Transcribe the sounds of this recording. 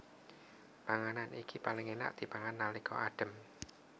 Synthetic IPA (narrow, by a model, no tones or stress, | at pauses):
paŋananʔḭkipalɪŋena̰ʔd̪̥i̤paŋanːalikɔ̰ʔaɖ̥ə̤m